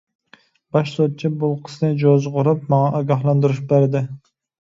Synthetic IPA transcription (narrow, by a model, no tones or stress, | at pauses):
b̥ɑʃsot̪̚t͡ʃʰibʊlˠqʰə̥snɪd͡ʒozʁʊɾɨp̚mɑŋɑʔɑɡʲɑɦlˠɑnd̪ɨɾuʃbæɾd̪ɪ